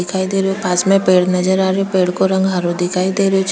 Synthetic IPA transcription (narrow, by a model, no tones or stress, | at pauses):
ɪkʰaːid̪eːɾjopaːsmẽpeːɽnɐd͡ʒəɾaːɾopeːɽkoɾɐ̃ŋɡɦaɾõd̪ɪkʰaːid̪eːɾot͡ʃ